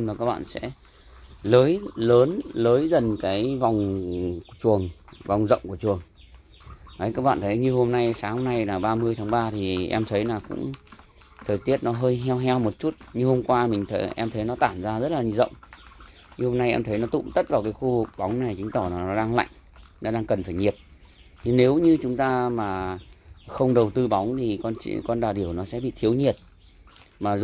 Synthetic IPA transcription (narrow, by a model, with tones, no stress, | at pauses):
mlaː˨˩kaː˦˥k̚ɓa̰ː˧˨nsɛ̰˧˥ | ləː˨˦jləː˨˦nləː˨˦jzə˨˩nkaː˨˦jva˨˩wŋ͡m | t͡ɕu˨˩əŋva˨˩wŋ͡mzə̰˧˨wŋ͡mku˧˩ət͡ɕu˨˩əŋ | aː˨˦kaː˦˥k̚ɓa̰ː˧˨nt̪ʰə˨˦jɲɨ˧ho˧mna˧jsaː˨˦ŋho˧mna˧jlaː˨˩ɓaː˧mɨ˧əjt̪ʰaː˨˦ŋɓaː˧t̪ʰi˨˩ʔɛ˧mt̪ʰə˨˦jnaː˨˩kʊ̰˧˥ŋ͡m | t̪ʰəː˨˩jt̪i˦˥ət̚nɔ˨˦ɦəː˧jɦɛ˧wɦɛ˧wmo˨˩t̚t͡ɕu˦˥t̚ɲɨ˧ho˧mkwaː˧mï˨˩ŋ̟t̪ʰə˨˦ʔɛ˧mt̪ʰə˨˦jnɔ˨˦t̪aː˧˩mzaː˧zə˦˥t̚laː˨˩ɲi˧˨˩zə̰˧˨wŋ͡m | ɲɨ˧ho˧mna˧jʔɛ̰˧mt̪ʰə˨˦jnɔ˨˦t̪ʊ̰˧˨ŋ͡mt̪ə˦˥t̚vaː˨˩wkaː˨˦jxu˧vɨ˨˩k̚ɓa˨˦wŋ͡mna˨˩jt͡ɕï˨˦ŋ̟t̪ɔ˧˩na˨˩nɔ˨˦ɗaː˧ŋla̰˧˨jŋ | nɔ˨˦ɗaː˧ŋkə˨˩nfaː˧˩jɲi˨˩ət̚ | t̪ʰi˨˩ne˨˦wɲɨ˧t͡ɕʊ˨˦ŋ͡mt̪aː˧maː˨˩ | xə˧wŋ͡mɗə˨˩wt̪ɨ˧ɓa˨˦wŋ͡mt̪ʰi˨˩kɔ˧nt͡ɕḭ˧kɔ˧nɗaː˨˩ɗi˧˩əwnɔ˨˦sɛ̰˧˥ɓḭ˧˨t̪ʰi˨˦əwɲi˨˩ət̚ | maː˨˩z